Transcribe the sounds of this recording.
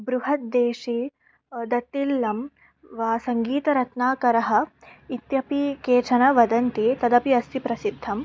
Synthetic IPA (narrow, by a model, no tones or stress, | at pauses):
bɾuɦɐt̪̚d̪eːʂi | d̪ɐt̪ːilːɐm | ʋaːsɐŋɡiːt̪ɐɾɐt̪naːkɐɾɐɦɐ̆it̪jɐpikeːt͡ʃʰɐnɐʋɐd̪ɐnt̪it̪ɐd̪ɐpiɐst̪ʰipɾɐsid̪ʱːɐm